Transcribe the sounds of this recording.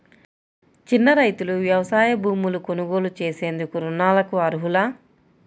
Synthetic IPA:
t͡ʃinːɐɾɐjt̪uluʋjɐʋɐsaːjɐbʱuːmuluko̞nuɡo̞ːlut͡ʃe̞ːse̞ːnd̪ukuɾunaːlɐkuɐɾuɦulaː

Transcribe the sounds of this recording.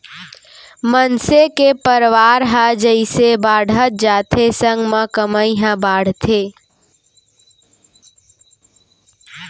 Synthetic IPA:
mənsekepəɾʋaːɾɦad͡ʒəɪsebaːɽʱət̪̚d͡ʒaːt̪ʰesəŋɡmãkəməiɦãbaːɽ̤t̪ʰe

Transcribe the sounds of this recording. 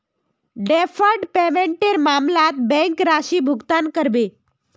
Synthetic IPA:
ɖefəɾʈpeʋeɳʈeɾmamlat̪bɛ̃ŋkɾaʃibʱuɡt̪ankəɾbe

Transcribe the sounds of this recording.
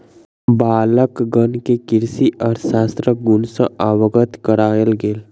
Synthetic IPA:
baːləkɡənkekɪɾsiʔɔːɾsaːst̪ɾəɡʊnsə̃ʔaʋəɡət̪kəɾaːjəlɡeːl

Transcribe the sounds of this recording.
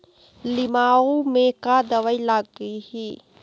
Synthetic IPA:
lɪmaːomẽkad̪əʋailaɡiɦiː

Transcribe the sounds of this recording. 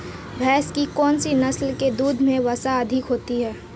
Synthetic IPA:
bʱɛːskikɔːnsinɐslked̪uːd̪ʱmẽʋɐsaɐd̪ʱɪkɦoːt̪iɦɛː

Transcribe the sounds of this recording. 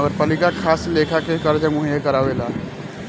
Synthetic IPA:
ɡəɾpaːlɪkakʰaːsleːkʰakekəɾd͡ʒəmʊɦijekɐɾaːʋelaː

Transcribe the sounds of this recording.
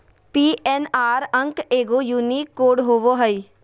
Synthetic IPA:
piːɛnaːɾə̃ŋkeːɡojuːniːkːoːɖɦoʋoɦəi

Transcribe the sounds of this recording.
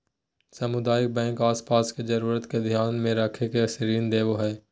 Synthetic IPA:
sɐmʊd̪aːjɪk̚bɛ̃ːŋkaːspaːsked͡ʒɐɾuːɾət̪ked̪ʱjaːnmẽɾəkʰekeɐsɾiːnd̪eːʋoɦɛː

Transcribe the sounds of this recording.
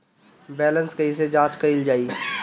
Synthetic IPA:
bɛːlə̃nskəɦis̬ed͡ʒãːt͡ʃkəɪld͡ʒaːiː

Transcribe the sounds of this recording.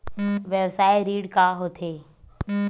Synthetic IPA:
ʋjɛwsaːjɾiːɽkaɦoːt̪ʰeː

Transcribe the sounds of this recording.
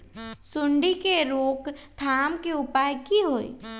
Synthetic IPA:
sʊɳɖikeɾoːkt̪ʰaːmkeʊpaːjkiɦoːḭ

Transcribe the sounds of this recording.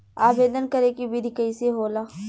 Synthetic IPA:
aːbeːd̪ənkɐɾekibid̪ʱikəiseɦoːla

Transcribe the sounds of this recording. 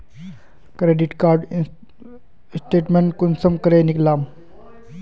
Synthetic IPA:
kɾeːɖiʈkaːɾɖ | sʈeːʈmeɳʈkunsəmkəɾeːniklaːm

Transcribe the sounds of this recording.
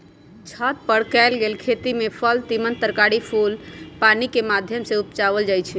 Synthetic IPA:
t͡ʃʰət̪̚pəɽ̤kɛlɡelkʰet̪imepʰəlt̪imənt̪əɾkaɽipʰulpanikemad̪ʱjəmseupt͡ʃaβəld͡ʒajt͡ʃʰɛ

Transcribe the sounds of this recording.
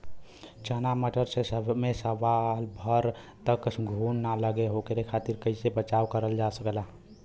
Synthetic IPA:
t͡ʃənaməʈəɾsesəbmesəʋalbʱəɾt̪əksɡʱunːaləɡeɦokəɾekʰat̪iɾkəɪsebət͡ʃaʋkəɾəld͡ʒasəkla

